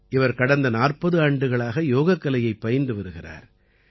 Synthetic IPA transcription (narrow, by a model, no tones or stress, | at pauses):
ʔɪʋɐɾkɐɽɐnd̪ɐnaːrpɐðɯaːɳɖɯɣɐɭaːɣɐjoːɣɐkːɐlɐjɐɪpːɐjɐnd̪ɯʋɐɾɯɣɪra̰ːɾ